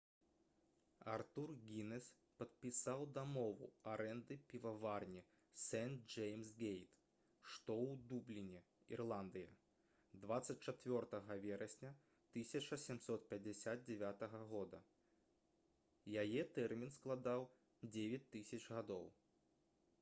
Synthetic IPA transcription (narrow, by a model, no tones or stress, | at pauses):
art̪urɣʲinɛs | pɐt̪̚pʲisawd̪amɔvṵaɾɛnd̪ɨpʲivavarnʲi | sɛn̚d͡ʐɛjmsɡʲejt̪ | ʂt̪ɔwd̪ublʲinʲɛ | ḭrlˠand̪ɨjɐ | d̪vat̪sɐt͡sʲt͡ʂat͡sʲvʲɔrt̪ɐɣɐvʲɛɾɐsʲnʲɐ | t̪ɨsʲɐt͡ʂɐsʲɛmsɔt̪̚pʲɐd͡zʲɛsʲad̪̚d͡zʲɛvʲat̪ɐɣɐɣɔd̪ɐ | jajɛt̪ɛrmʲinsklˠad̪aw | d͡zʲevʲɛt͡sʲt̪ːɨsʲɐt͡ʂɣad̪ɔ̰w